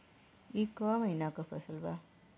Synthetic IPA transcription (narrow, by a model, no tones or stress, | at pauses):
ikʋaməɦinakopʰəsəlba